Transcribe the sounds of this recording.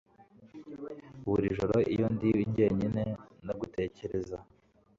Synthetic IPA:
βuɾiʒoɾoʔḭjondiβiɲɟeːɲine̞noɡute̞ːce̞ɾe̞za

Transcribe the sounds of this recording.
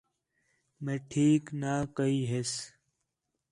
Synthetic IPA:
meːʈʰiːknaːkəiːɦes

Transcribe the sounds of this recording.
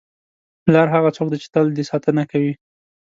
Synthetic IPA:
lɑɾɦaɣat͡sok̚d̪et͡ʃɪ̥t̪əld̪isɑt̪ənakawi

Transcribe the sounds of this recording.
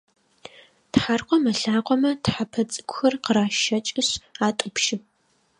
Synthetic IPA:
tħarqʷɔmɐɬaːqʷʼɔmɐtħapʰɐt͡sʼɨ̥kʷxɐrqəɾaːʃɐt͡ʃʼɪɕaːtʷʼʊpʰʃɪp̚

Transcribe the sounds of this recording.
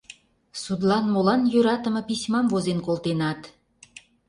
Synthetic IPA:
sud̪lɑnmolɑnjøɾɑt̪ə̆mɤ̆pisʲmɑmvozenkolˠt̪enɑt̪

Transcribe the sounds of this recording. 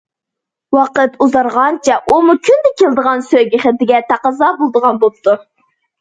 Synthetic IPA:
wɑqət̪uzɑɾʁɑnt͡ʃʰɛʔumukʲʰynd̪ɛkʲʰelˠd̪əʁɑnsøɡʲɪχɪt̪ɪɡʲɛt̪ʰɑqəzɑːbolˠd̪əʁɑnbop̚t̪ʰu

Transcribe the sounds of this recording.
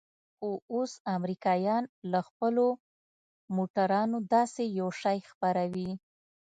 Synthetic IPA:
xoosamɾikɑjɑnlaxpəlo | moʈaɾɑnod̪ɑsejawʃɑjxpaɾawi

